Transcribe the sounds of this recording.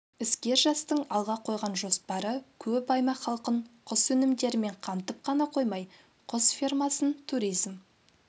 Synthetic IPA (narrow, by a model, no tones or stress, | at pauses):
ɪskʲe̞ɾʒɑst̪əɴɑlˠʁɑqʰo̞jʁɑnʒo̞spɑɾəkʲʰɵpɑjmɑqχɑlˠqəɴqʰʊsɵnɪmd̪e̞ɾɪme̞ɴqʰɑmt̪əp̚qʰɑnɑqʰo̞jmɑj | qʰʊsfʲirmɑsənt̪ʰuɾijzm